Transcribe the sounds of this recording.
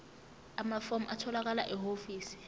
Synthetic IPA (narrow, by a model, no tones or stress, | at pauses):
amafomʔatʰɔlak̬alaʔɛɦofiːsi̥